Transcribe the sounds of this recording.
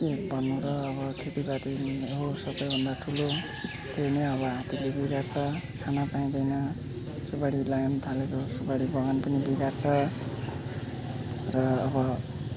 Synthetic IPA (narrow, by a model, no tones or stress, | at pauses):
kebʱʌnːũɾʌːβʌkʰet̪ibat̪iɦosʌbʌjbʱʌnd̪aʈʰulo | t̪eneʌβʌɦat̪ilebiɡart͡sʰʌkʰanapaĩd̪ʌjnʌ | subaɽilajʌmt̪ʰalekosubaɽibʌɡanpʌnibiɡart͡sʰʌ | rʌːbʌ